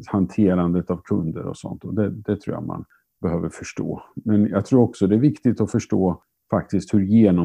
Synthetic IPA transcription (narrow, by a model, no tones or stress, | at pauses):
hant̪ʰeːɾand̪ət̪avkʰɵnd̪ə̰ɾɔ̰sɔ̰nt̪ɔd̪ɛd̪ɛt̪ʰɾṵːja̰ma̰n | bɛhøːvəɾfœʂʈo̰ːmɛnjɑ̰ɡt̪ʰɾuːɾɔksɔd̪ɛæɾvɪkt̪ɪt̪ɔfœʂʈoː | fakt̪ɪskt̪hɵɾjeːnɔ